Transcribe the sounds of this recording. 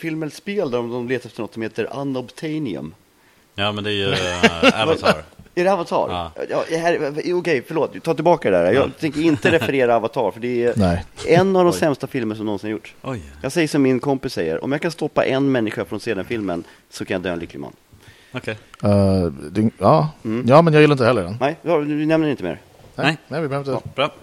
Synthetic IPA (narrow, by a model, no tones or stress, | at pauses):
fɪlmənspeːld̪æɾɔmd̪ɔmleːt̪aɾɛft̪əɳɔt̪sɔmheːt̪əɾa̰nɔbt̪ʰɛjnɪɵ̰m | jɑːmɛnd̪ɛæj | avæɖɛavant̪ʰɑ̰ːɾjɑ̰d̪ɛhæɾɔkɛjfœɭoːt̪t̪ʰːɑːt̪ɪlbɑːkad̪ɛd̪æ̰ːɾjɑːt̪ʰɛŋkəɾɪnt̪əɾɛfɛɾeːɾaːvat̪ʰɑːɾfœɖɛænɛɛnːavd̪ɔmsɛmst̪afɪlmənʂɔmnɔnsɪnaɾjʊʈːjɑːɡsɛjːəʂɔmːɪnkʰɔmpɪsːɛjːə̰ɾɔ̰mjɑːkʰanst̪ɔpːa̰ʔɛnmɛnːɪɧafɾɔnseːd̪ənfɪlmən | sɔkʰanjad̪øːnlʏklɪma̰nː | ɛd̪ɛɑːm̩jɑːmɛnjaɡjɪlːaɪnhɛlːəɖɛ̰nnɛjd̪anɛmnəɾɪnt̪əmḛːɾ | ɛnɛvɪbhœvɪt̪ːb